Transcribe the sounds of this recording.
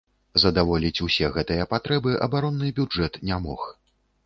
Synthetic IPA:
zɐd̪avɔlʲit͡sʲusʲɛɣɛt̪ɨjɐpat̪ɾɛbɨʔɐ̰baɾɔnːɨbʲud͡ʐɛt̪nʲamɔ̰x

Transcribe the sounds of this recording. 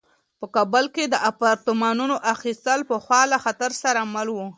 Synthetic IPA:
pəkɑbʊlked̪əʔapɑɾt̪əmɑnunoʔaxist̪əlpəxwɑlaxat̪aɾsaɾamalwu

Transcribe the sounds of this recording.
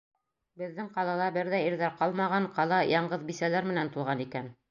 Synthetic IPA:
bɘ̆ðːɘŋqɑlˠɑlˠɑbɘɾðæiɾðæɾqɑlˠmɑʁɑɴqɑlˠɑjɑɴɢɤðbisælæɾmɘ̆nænt̪ulˠʁɑnikæn

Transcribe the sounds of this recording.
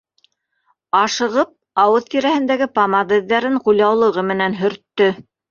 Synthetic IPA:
ɑʃɤ̆ʁɤp̚ | ɑwɤðt̪iɾæhɘ̆nd̪æɡɘpamɑd̪ɘ̆ðːæɾɘɴqulʲɑwlˠɤ̆ʁɤmɘ̆nænɦɵ̆ɾt̪ːɵ

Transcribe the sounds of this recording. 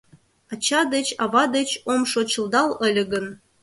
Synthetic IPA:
ɑt͡ɕɑd̪ə̆t͡ɕɑvɑd̪ə̆t͡ɕomʃot͡ɕə̆lˠd̪ɑlˠə̆lʲə̆ɡə̆n

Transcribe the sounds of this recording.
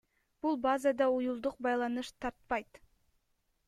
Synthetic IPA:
b̥ulˠbazad̪ɑujulˠd̪uq̚bɑjlˠɑnɯʃt̪ʰɑɾt̪̚pɑjt̪

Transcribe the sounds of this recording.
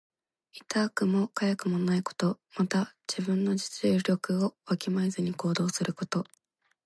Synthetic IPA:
it̪aːkɯ̟mo̞kajakɯ̟mo̞naiko̞̥t̪o̞mat̪aʑ̥ibɯ̟̃nːo̞d͡ʑi̥t͡sɨjoɾʲo̞kɯ̟o̞βakʲimaizɨɲ̟iko̞ːd̪o̞ːsɨɾɯ̟ko̞t̪o̞

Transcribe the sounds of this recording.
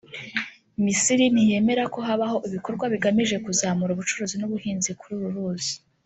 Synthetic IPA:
misiɾinije̞ːme̞ɾako̞ɦaβaho̞ʔiβiko̞ɾɡwaβiɡamiʒe̞kuzaːmuɾuβut͡ʃuɾuzinuβuhiːnzikuɾuːɾuɾuːzi̥

